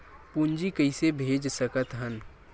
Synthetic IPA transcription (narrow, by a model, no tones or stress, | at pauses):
pund͡ʒikəisebʱeːd͡ʒsəkət̪ɦən